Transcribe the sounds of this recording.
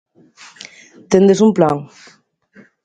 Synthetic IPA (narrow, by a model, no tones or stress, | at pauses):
t̪end̪esumplaŋ